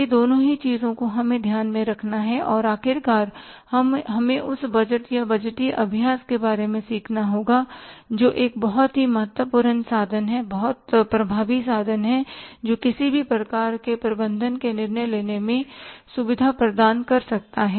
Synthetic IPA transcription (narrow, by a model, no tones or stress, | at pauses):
id̪oːnõɦit͡ʃiːzõkoɦɐmẽd̪ʱjaːnmẽɾɐkʰnaɦɛʔɔːɾaːkʰɪɾkaːɾ | hɐmɦɐmẽʔʊsbɐd͡ʒəʈjabɐd͡ʒʈiʔɐbʱjaːskebaːɾemẽsiːkʰnaɦoːɡad͡ʒoːʔeːk̚bɐɦʊt̪ɦimɐɦət̪wəpuːɾənsaːd̪ʱənɦɛbɐɦʊt̪pɾɐbʱaːʋisaːd̪ʱənɦɛd͡ʒoːkɪsibʱipɾɐkaːɾkepɾɐbə̃nd̪ʱənkenɪɾnəjleːnemẽsʊʋɪd̪ʱapɾəd̪aːnkɐɾsɐk̚t̪aɦɛː